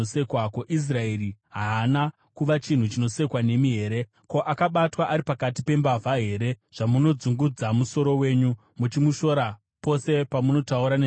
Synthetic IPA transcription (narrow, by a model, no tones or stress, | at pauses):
ose̞kwakoʔis̬rae̞ɾiɦaːna | kuʋat͡ʃin̤ut͡ʃino̞se̞kwane̞miɦe̞ːɾe̞ | ko̞ʔakaɓatwaʔaɾipakatipe̞mbavʱaɦe̞ːɾe̞ʐ̥amuno̞d͡zuŋɡud͡zamuso̞ɾo̞we̞ːɲu | mut͡ʃimuʃo̞ɾa | po̞se̞pamuno̞tauɾane